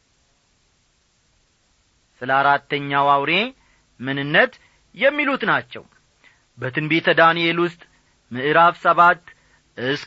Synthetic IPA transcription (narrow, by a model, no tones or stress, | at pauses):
sɨləaɾat̪ːəɲːawawɾe̞ | mɨnɨnːət̪ | jɛmːilut̪nat͡ʃːɛ̰w | bət̪ʰɨnbet̪ʰəd̪anijelwʊst̪ʼ | mɨʔɨɾaβsəβat̪ː | ʔɨs